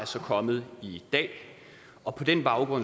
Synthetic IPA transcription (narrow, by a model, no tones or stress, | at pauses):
æsɒ̽kʰɒ̽mð̞̩ˠid̥ɛ̰ː | ɒ̽pʰɒ̽d̥enb̥ɑ̈ʊɡ̥ʁɔ̽n̰